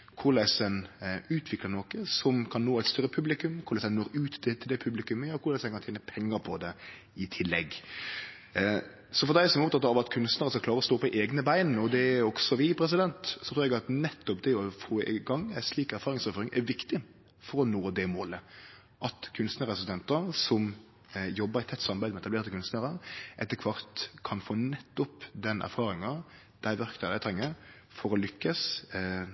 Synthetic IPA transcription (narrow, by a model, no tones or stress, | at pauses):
kʰʊɾlæɪsɛnʉːt̪ʰʋɪkləɾnoːkəsɔmkʰɑnnoːæɪt̪st̪œɾːəpʰʉblɪkʉmkʰʊɾlɛsɛnnoːɾʉːt̪ɛt̪ʰːɪld̪ɛpʰʉblɪkʉməjɑːɔkʰʊɾlɛsɛnkʰɑnt̪ʰeːnəpʰɛŋːəɾpʰɔd̪ɛ | ɪt̪ʰɪlːɛɡ | sɔfɔɾd̪æɪsɔmɛɾʊp̚t̪ʰɑt̪ːɑʋɑt̪kʰʉnst̪nəɾəskɑklɑːɾəɾɔst̪oːpɔʔeːɡnəbæɪnɔd̪ɛɔɡsɔʋɪpʰɾɛs̬ɪd̪ɛnt̪sɔt̪ɾuːɾɛɡɑt̪nɛt̪ːɔpd̪ɛɔfoːɪ̰ɡɑŋːæsliːkæɾfɑːɾɪŋsɛføːɾɪŋʔɛɾʋɪkt̪ɪ | fɔɾɔnoːd̪ɛmoːlə | ʔɑt̪kʰʉnst̪nəɾɛsɪsɛnt̪əɾsɔm | jɔbːəɾɪt̪ʰɛt̪ːsɑmbæɪd̪əmɛt̪ɑbleːɾt̪əkʰʉnst̪nəɾəʔɛt̪ːəkʰʋɑɾt̪kʰɑnfoːnɛt̪ːɔpd̪ɛnʔæ̰ɾfɑːɾɪŋɑ | d̪̥æɪʋæɾkt̪ɑd̪æɪt̪ʰɾɛŋːəɾ | fɔɾɔlʏkːəs